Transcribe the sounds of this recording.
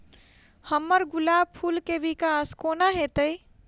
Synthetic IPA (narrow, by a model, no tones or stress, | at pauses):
həmːəɾɡulab̚pʰulkeʋikaskonaɦet̪əj